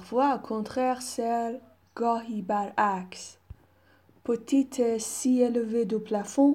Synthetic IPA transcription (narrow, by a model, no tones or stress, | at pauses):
ʁvwaokʰɔ̃t̪χɛʁsɛʁ | ɡ̥ɔibaʁaks | pət̪it̪ʰɛsieləved̪əplafɔ̃